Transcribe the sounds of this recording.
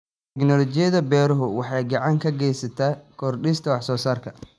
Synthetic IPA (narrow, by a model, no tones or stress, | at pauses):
t̪ʰɛknɔlɔt͡ʃɪjɐðɐbɛːɾʊɦʊwɑħɑjɡɑʕɑŋkʰɐɡɛjsɐt̪ʰaːkʰɔːrɗɪst̪ʰɐwɑħsɔːsaːrkʰɐ